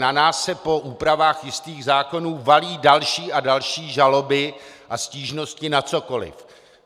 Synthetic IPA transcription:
nanaːsːɛpo̞ʔuːpɾavaːxjɪst̪iːɣzaːko̞nuːvaliːdalʃiːʔadalʃiːʒalo̞bɪʔasciːʒno̞scɪnat͡so̞ko̞lɪ̰f

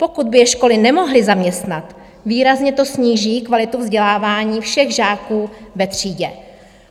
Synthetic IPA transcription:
po̞kud̪̚bɪjɛʃko̞lɪnɛmo̞ɦlɪzamɲɛst̪nat̪ | viːɾazɲɛt̪o̞sɲiːʒiːkvalɪt̪uvzɟɛlaːvaːɲiːfʃɛɣʒaːkuːvɛt̪r̝̥iːɟɛ

